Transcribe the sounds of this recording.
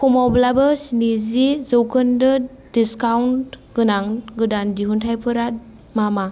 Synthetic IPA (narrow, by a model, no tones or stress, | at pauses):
kʰɔmawblabɯsnizizɯwkʰɯndɯ | diskawntɡɯnaŋɡɯdandiɦuntʰajpʰɯɾat | mama